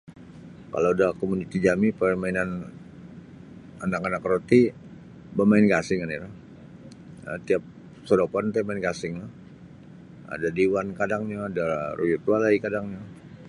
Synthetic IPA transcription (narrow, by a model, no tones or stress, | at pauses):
ka̰ladakomunit̪id͡ʒamipəmainan | anakanakɾot̪i | bamaɪnɡasɪŋaniɾa | ə̰t̪iap̚ | soɾopant̪amaɪnɡasɪŋlah | a̰dadiwankadaŋɲaːdaɾujut̪ualaikadaŋɲa